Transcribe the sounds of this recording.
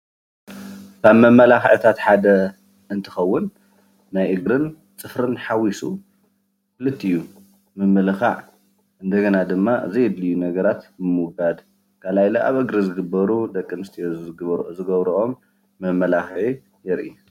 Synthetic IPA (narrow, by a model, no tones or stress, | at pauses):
kʰaβmɐmɐlaxʕt̪ʰat̪ħad̪ɐ | ʔɨnt̪ʰɨ̥xɐwːʊnː | ajʔɨɡɾɨn | t͡sʼɨfɾɨnħawisu | kɨlɨt̪ʰːiɨjːu | mɨmɨlɨxaʕ | ʔɨnd̪ɐɡɐnad̪ɨmːaʔɨ̰zɐjɪd̪lijːunɐɡɐɾat̪mɨmɨɡad̪ | kʰalajlɐʔa̰βʔɨɡɾɨzɨɡɨbːɐɾud̪ɐkʼːɨmɨst̪ʰijezzɨɡɐβɾuʔomː | ɐmɐlaxʕi | jɛɾʔi